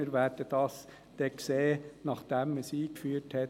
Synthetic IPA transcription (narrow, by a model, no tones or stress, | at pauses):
əɾʋæːɾd̥əd̥ɑs | d̥ɛkseːnɑχd̥ɛməsiːkfyːəɾthɛt